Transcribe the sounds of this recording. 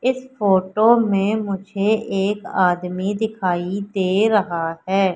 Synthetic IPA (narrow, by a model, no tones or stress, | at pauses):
ɪsfoːʈoːmẽmʊd͡ʒʱeʔeːkaːd̪mid̪ɪkʰaːid̪eːɾɐɦaɦɛː